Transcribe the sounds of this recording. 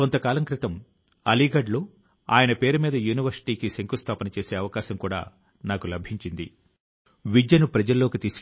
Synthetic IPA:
ont̪ɐkaːlɐŋkɾit̪ɐm | ɐliːɡɐɖlo̞ː | a̰ːjɐnɐpe̞ːɾumiːd̪ɐjuːniʋɐɾsi̥ʈiːkiseŋkust̪ʰaːpɐnɐt͡ʃe̞ːse̞ːɐʋɐkaːʃɐmkuːɽa̰ː | naːkulɐbʱiɲt͡ʃind̪ḭ | ʋid͡ʒjɐnupɾɐd͡ʒɐlːo̞ːkit̪iːs

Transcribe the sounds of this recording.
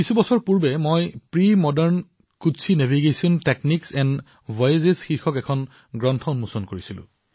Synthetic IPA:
kisubɔsɔɹpuɹbɛmojpɹimɔdɛɹn | kutsʰinevʱiɡesiɔntekniksɛn | bɔjzesxiɹxɔkɛkʰɔn | ɡɹɔntʰɔnmusɔnkoɹisilʊ̰̃

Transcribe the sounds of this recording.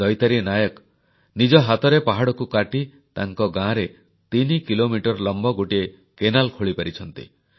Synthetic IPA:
ɔjt̪aɾinajɔk | nid͡ʒɔɦat̪ɔɾepaɦaɽɔkukaʈi | t̪aŋkɔɡãɾe | t̪inikilomiʈɔɾlɔmbɔɡoʈie | kenalkʰoɭipaɾit͡ʃʰɔnt̪ḭ

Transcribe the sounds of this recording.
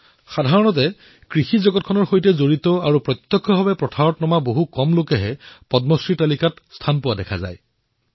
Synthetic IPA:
xadʱaɹɔnɔt̬ɛ | kɹixizɔɡɔt̚kʰɔnɔɹxojtɛzoɹitɔaɹupɹɔt̪jɔkʰːɔbʱabɛpɹɔtʰaɹɔtnɔmaboɦukɔmlokɛɦɛpɔdmɔsɹitalikatstʰanpʊwadɛkʰa̰za̰j

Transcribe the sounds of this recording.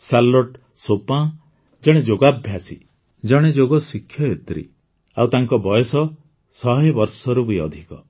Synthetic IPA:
salɔʈ | sopã | d͡ʒɔɽ̃ed͡ʒoɡabʱjasḭ | d͡ʒɔɽ̃ed͡ʒoɡɔsikʰːjɔet̪ɾḭ | awt̪aŋkɔbɔjɔsɔ | sɔɦebɔɾsɔɾubujɔd̪ʱikɔ

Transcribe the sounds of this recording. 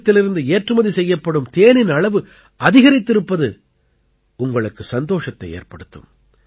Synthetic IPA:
t̪ːɪlɪɾɯnd̪ɯeːʈrɯmɐðisɛjːɐpːɐɽɯmt̪eːnɪnɐɭɐʋɯ | ɐðɪɣɐɾɪt̪ːɪɾɯpːɐðɯ | ʊŋɡɐɭɯkːɯsɐnd̪oːʂɐt̪ːɐɪḛːrpɐɽɯt̪ːɯ̰m

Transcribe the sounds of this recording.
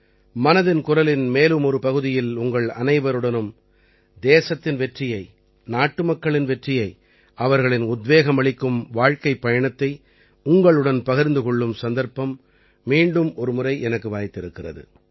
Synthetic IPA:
mɐnɐðɪnkʊrɐlɪnmeːlɯmɔɾɯpɐɣɯðɪjɪlʊŋɡɐɭɐ̰nɐɪʋɐɾɯɽɐnɯm | d̪eːsɐt̪ːɪnʋɛʈrɪjɐɪ | naːʈːɯmɐkːɐɭɪnʋɛʈrɪjɐɪ | ʔɐʋɐɾɣɐɭɪnʊd̪ʋeːɣɐmɐɭɪkːɯmʋaːɻkɐɪpːɐjɐɳɐt̪ːɐɪ | ʊŋɡɐɭɯɽɐnpɐɣɪɾnd̪ɯkɔɭːɯmsɐnd̪ɐɾpɐmː | iːɳɖɯmɔɾɯmʊrɐɪʔɛnɐkːɯʋaːjt̪ːɪɾɯkːɪrɐ̰ðɯ̰

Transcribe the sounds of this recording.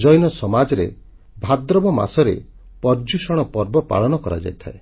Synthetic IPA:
d͡ʒɔjnɔsɔmad͡ʒɔɾḛ | bʱad̪ɾɔbɔma̰sɔɾḛ | pɔɾd͡ʒusɔɽ̃ɔpɔɾbɔpa̰ɭɔñɔkɔɾa̰d͡ʒa̰jt̪ʰae

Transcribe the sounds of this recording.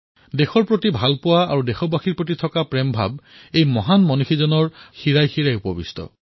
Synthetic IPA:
dexɔɹpɹotibʱalpʊwaaɹudexɔbaxiɹpɹot̬itʰɔkapɹembʱa̰b̚ejmɔɦanmɔnuxʰizɔnɔɹxiɹajxiɹajupɔbḭstɔ̰

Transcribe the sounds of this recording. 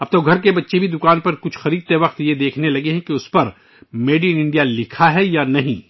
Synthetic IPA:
ɐb̚t̪oːɡʱɐɾkebɐtːʃebʱid̪ʊkaːnpɐɾkʊt͡ʃʰxɐɾiːd̪̚t̪eʋɐqt̪jed̪eːkʰnelɐɡeɦɛ̃kiʊspɐɾ | meːɖijənɪ̃ɳɖijalɪkʰaɦɛjanɐɦĩː

